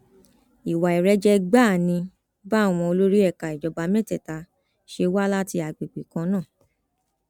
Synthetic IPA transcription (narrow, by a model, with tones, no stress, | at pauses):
i˨wa˨i˨ɾɛ˧˦d͡ʒɛ˧ɡ͡ba˦˨nĩ˧ | ɡ͡ba˦˨w̃ɔ̃˧o˧lo˦ɾi˦ɛ˦˨ka˨i˨d͡ʒɔ˨ba˧mɛ̃˦tɛ˨ta˧ | ʃe˧wa˦la˦ti˧a˨ɡ͡bi˨ɡ͡bi˨kã˧nãː˦˨